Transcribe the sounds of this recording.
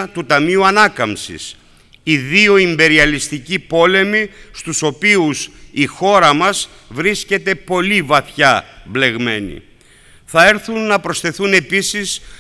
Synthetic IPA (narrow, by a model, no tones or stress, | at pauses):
t̪ut̪ɐmiuɐnɐkɐmsḭs | iðio̞imbe̞ɾiɐlist̪icipo̞le̞mist̪uso̞piusixo̞ɾɐmɐs | vɾisce̞t̪e̞po̞livɐθçɐble̞ɣme̞nḭ | θɐe̞ɾθunːɐpɾo̞sθe̞θune̞pisis